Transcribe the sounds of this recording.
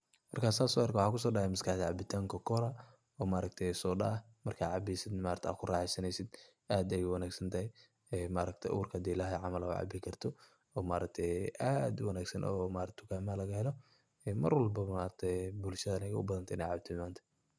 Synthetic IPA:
mɐrkʰaːsaːsɔɐrkwʊħaːkʰʊs̬ɔːɖɑhɛjmɐskɐħd̪ɐʕɑbɪt̪ʰaːŋkʰɐkʰɔɾɐ | ɔːmaːɾɐɡ̚t̪ʰɛjsɔːɖɐ̰ | mɐrkʰaːʕɑbisɪd̪nmaːɾt̪ʰɛa̰ːkʰʊraːħɛjsɐnɛjsɪd̪ | aːd̪ɛjʊwɐnaːɡsɐnt̪ʰɐhɛj | ɛːmaːɾɐkt̪ʰɛjʔʊ̰ːrkʰɐɐd̪iːɪlaːɦɛʕɑmɐlɐʊ̰ʕɑ̰ːbɪkʰɐrt̪ʰɔ | ɔːmaːɾɐk̚t̪ʰɛjʔaːd̪wɐnaːɡsɐnʔɔːmaːɾɐt̪ʰʊɡaːmɐlɐɣɐhɛlɔ | ɛːmɐ̰rwɐlbɐmaːɾɐkt̪ʰɛjbʊlʃɐðɐɐnɐɣɐʊbɐðɐnt̪ʰɪnɛ̰jʕɑːbt̪ʰɔmaːnt̪ʰɐ̥

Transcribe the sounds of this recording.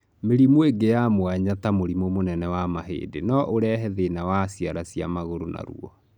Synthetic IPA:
meɾimoeɡejamwaɲatamoɾimomonɛnɛwamaɦḛːdenɔʔoɾɛɦɛðenawasiaɾasija̰maɣoɾona̰ɾṵɔ

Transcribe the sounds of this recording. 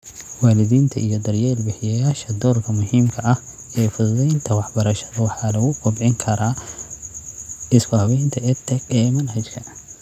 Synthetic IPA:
waːlɪðiːnt̪ʰɐʔijɔd̪ɐrjɛːlbɪħɪjɐjaːʃɐd̪ɔːrkʰɐmʊɦiːmkʰɐʔɐh | ɛːfʊðʊðɛjnt̪ʰɐwɑħbɐɾɐʃɐðɐwɑħɑːlɐɣʊqɔbʕɪŋkʰɐɾaː | ɪskʊhɐβɛjnt̪ʰɐɛt̪ʰɛkɛːmɐnhɐt͡ʃkʰɐ

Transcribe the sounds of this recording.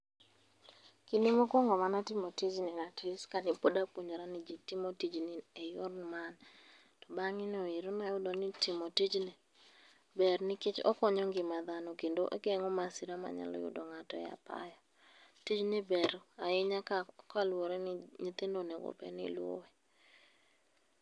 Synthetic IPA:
kinimokɔŋɡɔmanatɪmotid͡ʒnɛnatʰɪskanɪpodapwoɲd͡ʒoɾanɪd͡ʒitɪmotid͡ʒnɪejʊrnman | tɔbaŋɪnɔiɾonajʊdɔnɪtɪmotid͡ʒnɛ | bɛrnɪkɪt͡ʃɔ̰kɔɲɔŋɡɪmaðanɔkendoʔḛɡɛŋɔmasiɾama̰ɲa̰lɔ̰jʊ̰dɔŋatɔja̰pa̰jɔ | tid͡ʒnɪbɛɾaɪɲakakalwoɾɛnɪɲit̪endonɛɡo̰pɛ̰nɪ̰lwo̰wɛ

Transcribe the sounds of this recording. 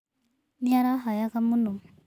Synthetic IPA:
niaɾaɦɔjakamunu

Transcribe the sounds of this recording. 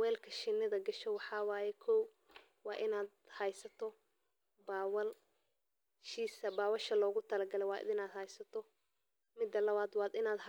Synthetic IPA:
wɛːlkʰɐʃɪnːɪðɐɡɐʃɛwɑħɑːwɑːjɛkʰɔw | wɑːʔɪnaːd̪̚hɐjsɐt̪ʰɔ | baːwɐl | ʃiːsɐbaːwɐʃɐlɔːɣʊt̪ʰɐlɐɡɐlɛwɑːɪnaːd̪hɐjsɐt̪ʰɔ | mɪd̪ːɐlɐβaːd̪waːd̪ɪnaːd̪

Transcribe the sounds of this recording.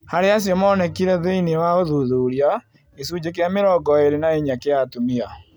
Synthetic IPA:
haɾeas̬jɔmaːnɛkiɾɛðeinewaoðuðuːɾia | esud͡ʑek̬eameɾɔɡɔeɾenaeɲakeatumia

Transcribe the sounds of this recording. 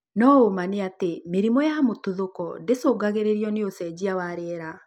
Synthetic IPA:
nɔomaneatemeɾimɔjamotuðokɔdesoːɡaɣeɾeɾiɔneosɛd͡ʑiawaɾɛɾa

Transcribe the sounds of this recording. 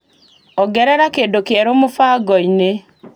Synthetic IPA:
ɔɡɛɾɛɾakedokeɛɾomofaɡɔine

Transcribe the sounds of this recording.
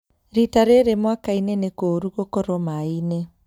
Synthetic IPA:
ɾitaɾeɾemwakainenekoɾuɣokɔɾɔmaine

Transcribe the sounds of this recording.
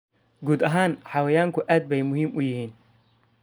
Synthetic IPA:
ɡuːd̪ɐɦaːnħɑwɛjaːŋkʰʊʔaːd̪̚bɛjmʊɦiːmʔʊjɪhiːn

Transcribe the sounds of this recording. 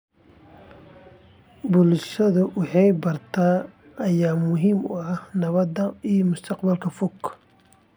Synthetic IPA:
bʊlʃɐðʊwɑħɑjbɐrt̪ʰaː | ʔɐjaːmʊɦiːmʊ̰ɐhnɐβɐd̪ɐijmʊst̪ʰɑqbɐlkʰɐfʊkʰː

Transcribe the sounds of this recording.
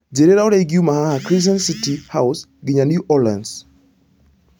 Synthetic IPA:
d͡ʒeɾeɾaɔɾeɡiumahahakɾis̬ansitihaws | ɡɪɲanjuʔɔlãns

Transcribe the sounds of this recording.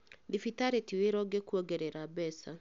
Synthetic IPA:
difitaɾetiweɾɔɡɛkuɔɡɛɾɛɾabɛsa

